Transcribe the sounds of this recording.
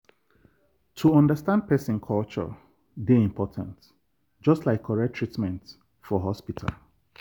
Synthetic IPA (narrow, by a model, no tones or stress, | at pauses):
tʰuɔ̃ndəstãnd̚pʰɛsɪ̃nkʰɔlt͡ʃə̰ | deĩmpʰɔtʰə̰̃nt | d͡ʒɔstlaɪkʰɔɹɛtʰɹitmɛ̃nt | fɔɦɔspitʰa̰lˠ